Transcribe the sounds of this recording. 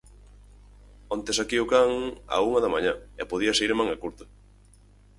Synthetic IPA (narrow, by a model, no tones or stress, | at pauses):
ont̪esakiʊkaŋa̰uŋɐðɐmaɲaepoðiɐsaiɾmaŋɐkuɾt̪ʊ̥